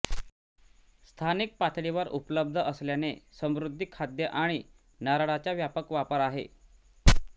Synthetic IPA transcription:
st̪ʰanik̚pat̪ʰɽiʋəɾupələb̚d̪ʱəʔəsljanesəmɾud̪ʱːikʰːad̪jəʔaɽ̃i | naɾaɽat͡ɕjaʋjapəkʋapəɾaɦḛ

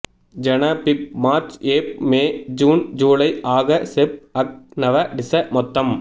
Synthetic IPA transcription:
d͡ʒɐnɐpɪp̚maːɾt͡ʃeːp̚meːd͡ʒuːnd͡ʒuːlɐɪʔaːɣɐsɛp̚ɐk̚nɐʋɐɖɪsɐmɔt̪ːɐm

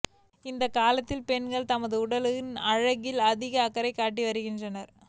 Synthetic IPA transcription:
ɪnd̪ɐkaːlɐt̪ːɪlpɛnɡɐɭt̪ɐmɐðɯʊɽɐlɯɣɪnɐɻɐɣɪlɐðɪɣɐːkːɐɾɐɪkːaːʈ̬ːiʋɐɾɯɣɪndrɐnɐɾ

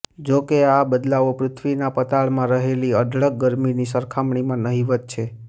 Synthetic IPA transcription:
d͡ʒokeabəd̪laʋopɾʊt̪ʰʋinapət̪aɭmãɾəɦeliədʱɭəɡɡəɾminisəɾkʰamɳimãnəɦiʋət̪̚t͡ʃʰe

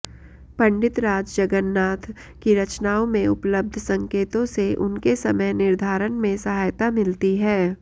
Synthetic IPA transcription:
pɐ̃ɳɖɪt̪ɾaːd͡ʒd͡ʒɐɡənːaːt̪ʰ | kiɾɐt͡ʃnaːõmẽʊpləb̚d̪ʱsɐ̃ŋkeːt̪õseʔʊnkesɐməjnɪɾd̪ʱaːɾənmẽsɐɦaːjt̪amɪlt̪iɦɛː

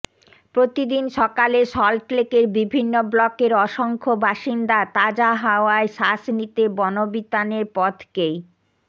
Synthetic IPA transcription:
pɾot̪id̪inʃɔkaleʃɔlʈlekeɾbibʱinːoblɔkeɾɔʃoŋkʰobʱaʃind̪at̪ad͡ʑaɦaoaeʃasnit̪ebɔnobit̪aneɾpɔt̪ʰkej

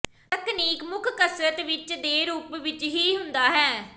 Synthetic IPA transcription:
t̪əkniːkmʊkʰkəsɾət̪ʋɪt͡ʃd̪eːɾuːpʋɪt͡ʃɦiːɦʊnd̪aːɦɛː

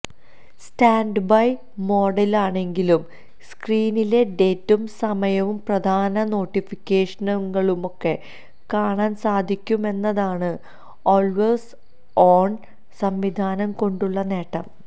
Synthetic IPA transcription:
staːɳɖbɐj | mo̞ːɖɐlaːɳe̞ŋɡilum | skriːnile̞ɖe̞ːtːumsɐmɐjɐʋumprɐd̪ʱaːnɐno̞ːʈːifikʲːe̞ːʂɐnɐŋːɐɭumo̞kːe̞ | kaːɳaːnsaːd̪ʱikʲːume̞nːɐðaːɳɨ | oːlʋes | oːɳ | sɐmʋid̪ʱaːnɐmko̞ɳɖuɭːɐne̞ːʈːɐm

